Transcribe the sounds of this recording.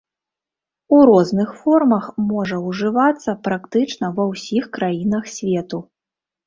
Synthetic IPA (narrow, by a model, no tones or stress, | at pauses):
uɾɔznɨxfɔrmɐxmɔʐɐwʐɨvat̪sːɐpɾakt̪ɨt͡ʂnɐvɐwsʲixkɾajinɐxsʲvʲeɛt̪u